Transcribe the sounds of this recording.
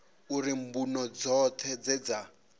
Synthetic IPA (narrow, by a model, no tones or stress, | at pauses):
uɾimbunɔd͡zɔt̪ʰɛd͡zɛd͡za